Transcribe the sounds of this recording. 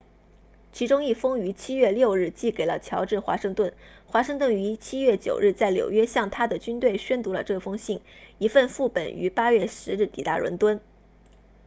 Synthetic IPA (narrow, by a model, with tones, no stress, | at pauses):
t͡ɕʰi˧˥ʈ͡ʂʊ˥ŋi˥˩fɤ˥ŋy˧˥t͡ɕʰi˥ɥɛ˥˧ljo˥˧ʊɻɻ̩˥˩t͡ɕi˥˩ke˨˩ɪlə̰˦t͡ɕʰjɑ˧˥ʊʈ͡ʂɻ̩˥˩xwa̰˧˥ʂɤ˥˧ŋt̪wə˥˩nxwa˧˥ʂɤ˥˧ŋt̪wə˥˩ny˧˥t͡ɕʰi˥ɥɛ˥˩t͡ɕjo̰˨˩ʊɻ̩˥˧t͡sa˥˩ɪljo˨˩ʊɥɛ˥ɕjɑ˥˩ŋt̪ʰa˥d̪ə˨t͡ɕy˥nt̪we˥˩ɪɕɥɛ˥nt̪u˧˥lə̰˧ʈ͡ʂɤ˥˩fɤ˥ŋɕi˥˩ŋi˧˥fə˥˧nfu˥˩pə̰˨˩ny̰˧˥pa˥ɥɛ˥˩ʂɻ̩˧˥ɻ̩˥˩t̪ḭ˨˩t̪a̰˥ɻwə̰˧˥nt̪wə˥n